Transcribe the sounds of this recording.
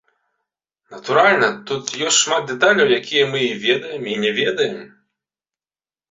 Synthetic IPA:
nɐt̪uɾalʲnɐt̪ut̪jɔsʲtʲʂmat̪̚d̪ɛt̪alʲɐwjakʲʰijɐmɨivʲɛd̪ɐjɛminʲɛvʲɛd̪ɐjɛm

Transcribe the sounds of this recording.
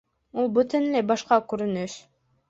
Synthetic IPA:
ulˠbut̪ynlebɑʃqɑkɵɾynyʃ

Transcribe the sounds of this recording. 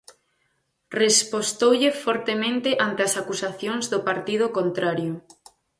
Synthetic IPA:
respost̪owʎefɔɾt̪emẽnt̪eʔant̪easakusaθjõŋzðopaɾt̪ið̞okont̪ɾaɾjo

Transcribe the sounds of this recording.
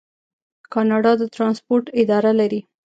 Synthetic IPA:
kɑnɑɖɑd̪ət̪ɾɑnspoɾʈɪd̪ɑɾalaɾi

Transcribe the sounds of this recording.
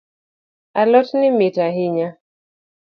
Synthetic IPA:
alɔtnimitaɦiɲa

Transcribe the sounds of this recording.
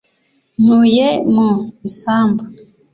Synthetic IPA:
nujemuisaːmbu

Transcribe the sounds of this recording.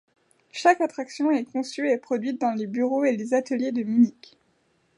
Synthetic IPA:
ʃakat̪χaksjɔ̃ɛkɔ̃syepχɔd̪ɥit̪̚d̪ɑ̃lebyʁoelezat̪əljed̪əmynik

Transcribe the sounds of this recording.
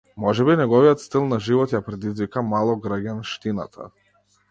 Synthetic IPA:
mɔʒɛbinɛɡɔvijɔt̪st̪ilˠnaʒivɔt̪japɾɛd̪izvikamalˠɔɡɾəɡanʃt̪ina̰t̪ʰa̰

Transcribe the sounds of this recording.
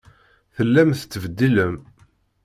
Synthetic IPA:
θəlːæmθə̥t͡s̪ːəvəd̪ːiləm

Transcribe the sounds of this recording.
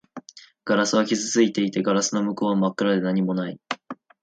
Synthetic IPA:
ɡ̥aɾasɨβakʲizɨt͡sɨit̪e̞it̪e̞ɡaɾasɨno̞mɯ̟ko̞ːβamakːɯ̟ɾad̪e̞naɲ̟imo̞nai

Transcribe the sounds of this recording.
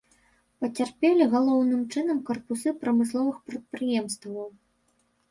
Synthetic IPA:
pɐt͡sʲarpʲɛlʲiɣalˠɔwnɨmt͡ʂɨn̪ɐmkɐrpusɨpɾɐmɨslˠɔvɨxpɾɐt̪̚pɾɨjɛmst̪vɐw

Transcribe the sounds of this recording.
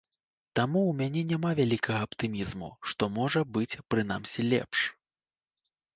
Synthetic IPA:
t̪amuwmʲanʲɛnʲamavʲalʲikʰɐɣɐːpt̪ɨmʲizmṵʂt̪ɔmɔʐɐbɨt͡sʲpɾɨna̰msʲilʲɛ̰pʂ

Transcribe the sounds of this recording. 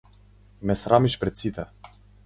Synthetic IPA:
mɛsɾamiʃpɾɛt̪sit̪ɛ

